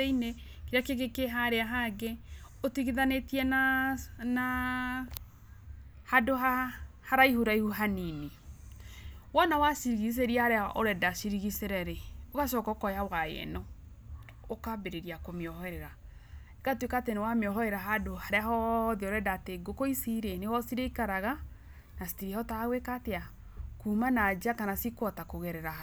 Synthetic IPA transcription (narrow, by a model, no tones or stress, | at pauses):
eine | keɾeakeɣekeɦaɾeaɦaɡe | otiɣiðanetiɛnana | hadoɦahaɾaihuɾaihuɦanini | wɔnawasiɾiɣis̬eɾiahaɾeaʔoɾɛdasiɾiɣiseɾɛɾeokaʃɔkɔkɔjawajɛ̰nɔ | okabeɾeɾiakomeɔhɔɛɾɛɾaekatwekatenewameɔɦɔeɾaɦadohaɾeaɦɔðiɔɾɛdateɡokoisiɾenewɔsiɾeikaɾaɣa | nasi̥tiɾihɔtaɣwekatea | kumanad͡ʒakanasikwɔtakoɣɛɾɛɾaha